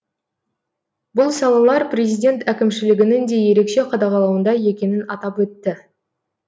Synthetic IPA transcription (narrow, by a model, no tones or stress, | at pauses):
bʊlˠsɑlˠɑlˠɑɾprʲe̞zijdʲe̞nt̪ækʲɪmʃɪlɪɡʲɪnɪŋd̪e̞je̞ɾe̞kʃe̞qʰɑd̪ɑʁɑlˠɑwənd̪ɑje̞kʲe̞nɪnɑt̪ɑpwɵt̪ːɪ